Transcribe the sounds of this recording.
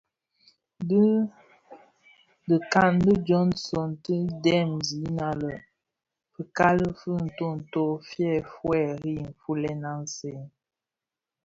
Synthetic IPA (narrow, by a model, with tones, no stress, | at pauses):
də˦ | də˨ka˦˨ndə˦d͡ʒɔ˦nsɔ˨ntə˦dɛ˦˨mzi˨˦na˦lə˨ | fə˨ka˦lə˦fə˦n̩˨to˦˨n̩˨to˦˨fjɛ˦˨fwɛ˦˨ɾi˦˨m̩˨fu˦lɛ˦na˦n˨se˦˨